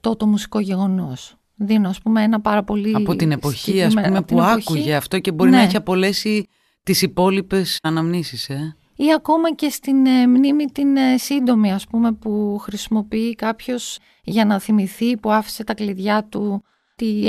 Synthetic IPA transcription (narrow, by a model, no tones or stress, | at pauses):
t̪o̞t̪o̞musi̥ko̞ʝe̞ɣo̞no̞s | ðinoɐspumeenɐpɐɾɐpo̞liɐpot̪ine̞po̞çiɐsmeumep̪iuɐokkuʝeɐft̪o̞ce̞bo̞ɾinɐiçeɐpo̞le̞si | t̪isipo̞lipe̞sɐnɐmnisise | iɐko̞mɐce̞st̪inmnimit̪insind̪o̞miɐspume̞puxɾisimo̞piikɐpço̞s | ʝɐnɐθimiθipuɐfi̥se̞t̪ɐkliðʝɐt̪u | t̪i